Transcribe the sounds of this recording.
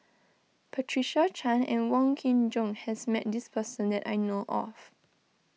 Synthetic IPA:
pʰɛtʰɹiʃat͡ʃʰãnɛ̰̃nwɔ̃ŋkʰĩnd͡ʒɔ̃ŋhɛsmɛt̚dispʰəsə̃ndɛta̰jnoʔɔ̰f

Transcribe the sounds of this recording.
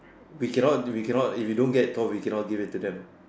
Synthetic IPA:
wikɛnɔt̚wikɛnɔtifjudõnɡɛttɔwikɛ̃nɔt̚ɡivɪt̚tːudɛ̃m

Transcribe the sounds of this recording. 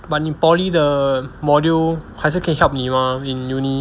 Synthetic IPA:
bat̚ipɔlidəmɔdilkʰajs̬əkʰɛ̃nɦɛlp̚nimãĩnjuni

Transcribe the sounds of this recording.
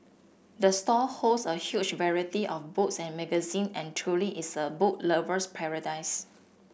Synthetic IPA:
dəstɔholsəhjut͡ʃvɛɹitiʔɔfbutsɛ̃nmɛɡəzĩnɛ̃ntʰɹuliʔisəbot̚ləvəspʰɛɹədaɪs

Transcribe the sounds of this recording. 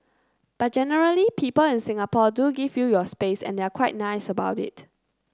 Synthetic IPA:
b̥at̚d͡ʒɛnəɹəlipʰipəlɪ̃nsɪ̃ŋapɔduɡivjujɔspesɛ̰̃ndeakʰw̥aɪt̚naɪsəbaʊtɪ̰t

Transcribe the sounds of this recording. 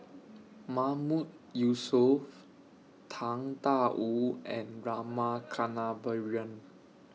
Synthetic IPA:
mamut̚ | jusɔf | t̪ʰãŋt̪aʔuɛ̃nɹamakʰanabəɹiə̃n

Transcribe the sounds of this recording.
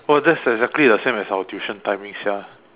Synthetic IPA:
wɛldɛtsɛɡzɛk̚tlidəsẽmɛsaətjuʃə̃ntãjmĩŋsja

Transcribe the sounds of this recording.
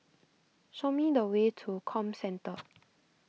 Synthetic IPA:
ʃomidəwetʰukʰɔ̃msɛ̃ntʰə

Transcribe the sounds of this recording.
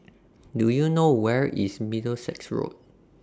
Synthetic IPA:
dujunowɛɹḭsmidəlsɛ̰ksɹo̰d̚

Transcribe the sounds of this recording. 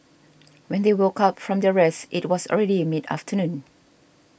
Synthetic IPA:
wɛ̃ndewokatfɹɔ̃mdəɹɛsʔit̚wɔsɔ̰ɹɛɾimida̰ftʰənũn

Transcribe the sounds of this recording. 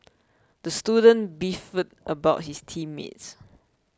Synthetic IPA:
d̥əstudə̃nbifətʔəbaʊt̚histʰĩmːḛts

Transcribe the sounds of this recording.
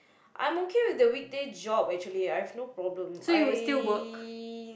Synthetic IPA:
ʔã̰j̃mokʰewidəwik̚ded͡ʒɔbɛk̚t͡ʃuəliajhɛvnopɹɔblə̃msojuwɪstilwək

